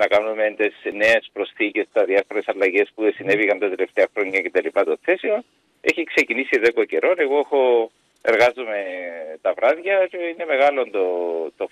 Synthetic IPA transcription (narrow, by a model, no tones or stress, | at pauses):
nɐkɐnumend̪esne̞espɾo̞sθice̞st̪ɐðiɐfoɾe̞sɐlːɐʝe̞spuðesine̞vikɐnt̪ɐt̪e̞le̞ft̪e̞ɐxɾo̞ɲːɐce̞t̪ɐlipɐt̪oθe̞sion | e̞çikse̞cinisiðekoce̞ɾo̞ne̞ɣoexo̞ | e̞ɾɣɐzume̞t̪ɐvɾɐðʝɐce̞ine̞me̞ɣɐlond̪ot̪o